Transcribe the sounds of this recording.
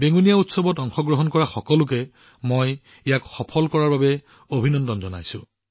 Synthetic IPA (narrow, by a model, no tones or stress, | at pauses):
beŋunijautsɔbɔtɔŋxɔɡɹɔɦɔnkɔɹaxɔkɔlʊk̬ɛ | moj | ijakxɔpʰɔlkɔɹaɹbabɛ | obʱinɔndɔnzɔna̰jsʊ̰̃